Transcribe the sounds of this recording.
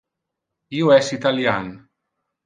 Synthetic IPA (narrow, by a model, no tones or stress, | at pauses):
iuɛsit̪aljan